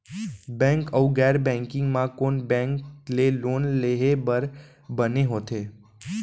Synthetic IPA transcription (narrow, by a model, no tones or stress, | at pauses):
bɛ̃ŋkəuɡɛɾbɛ̃ŋkɪ̃ŋɡmãkonbɛ̃ŋklelonleɦebəɾ | bəneɦot̪ʰe